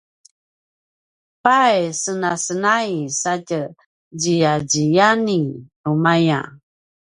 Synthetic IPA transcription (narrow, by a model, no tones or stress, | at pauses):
pajsənasənajsatə | d͡ʒijad͡ʒijaninumaja̰